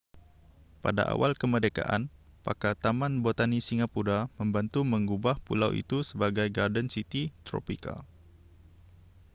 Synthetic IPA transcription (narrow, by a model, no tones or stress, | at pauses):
pada̰ʔa̰walkəmədeka̰ʔan | pa̰kat̪amanbot̪anisiŋapuɾaməmbant̪uməŋɡubahpṵlawʔḭt̪usəbaɡajɡardənsit̪it̪ɾo̰pika̰